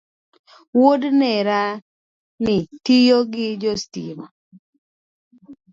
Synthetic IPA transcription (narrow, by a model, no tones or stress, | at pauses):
wodnɛɾa | nɪtijoɡɪd͡ʒostḭma̰